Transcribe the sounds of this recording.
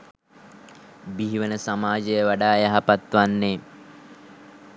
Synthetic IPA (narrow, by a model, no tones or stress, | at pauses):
biɦiʋənəsamaːd͡ʒəjəʋaɖaːjaɦapat̪ʋanːe